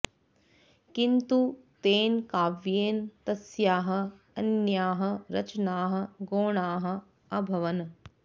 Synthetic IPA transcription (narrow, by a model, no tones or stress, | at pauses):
kint̪ut̪eːnkaːʋjeːnt̪ɐsjaːɦɐ̆ | ɐnjaːɦɐ̆ɾɐt͡ʃnaːɦɐ̆ɡoːɳaːɦɐ̆ | ɐbʱɐʋɐn